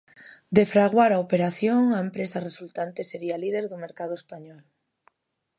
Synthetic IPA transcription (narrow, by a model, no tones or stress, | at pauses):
d̪efɾaɣ̞waɾaopeɾaθjoŋaempɾesaresult̪ant̪eseɾialiðeɾðumeɾkaðoespaɲɔl